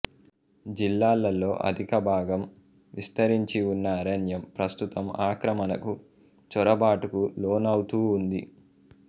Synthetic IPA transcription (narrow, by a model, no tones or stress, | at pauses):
d͡ʒilːaːlːɐlːo̞ːʔɐ̰d̪ʱikɐbʱaːɡɐm | ʋist̪ɐɾiɲt͡ʃiunːɐːɾɐnjɐmpɾɐst̪ut̪ɐmaːkɾɐmɐnɐku | t͡ʃɔɾɐbaːʈukuloːnɐwt̪uːnd̪ḭ